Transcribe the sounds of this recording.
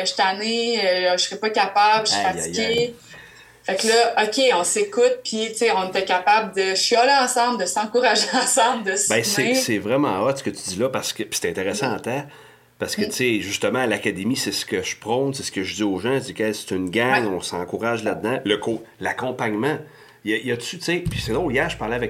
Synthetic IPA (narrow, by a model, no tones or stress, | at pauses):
ʃt̪aneəəsʁɛpɔkapablʃpaike | faklʌʔɔkʲeɔ̃sekʊt̪̚pʰit͡seɔ̃net̪ɛkʲapabld̪əɥialeɑ̃ːsɑ̃bld̪əsɑ̃kuʁaʒeɑ̃sɑ̃bld̪əsbɛ̃sesɛvʁɛmɑ̰̃ɔt̪sə̥kət̪yd̪ilʌpaʁsə̥kəpi̥se̥t̪ɛ̃t̪eʁesãat̪ã | paʁsə̥kət͡seʒyst̪əmãːlakad̪emisɛskəʃpʁɔ̃nsesə̥kəʒd͡zzioːʒãʒd͡zzikɛse̥t̪ynɡʲaŋɔ̃sɑ̰̃kuʁaʒlad̪̚d̪ãləkolakɔ̃paɲmã | jʌjəsyt͡sepi̥sed̪õjæːʃpaʁlɛavɛk